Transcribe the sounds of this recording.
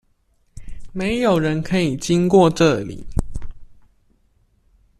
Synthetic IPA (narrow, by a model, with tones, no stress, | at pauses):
me˨˦ɪjo˨˩ʊɻə˨˦nkʰə˧˦i˨˩t͡ɕi˦ŋkwɔ˥˨ʈ͡ʂɤ˥˨lḭ˨˩˦